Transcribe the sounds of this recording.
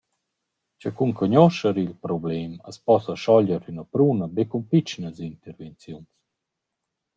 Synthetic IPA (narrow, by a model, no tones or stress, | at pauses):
t͡ʃəkuŋkɔɲɔʃəɾilpɾɔblɛməspɔsəʃɔʎəɾynəpɾunəbekumpit͡ʃnəzint̪ɛɾvɛnt͡sjuns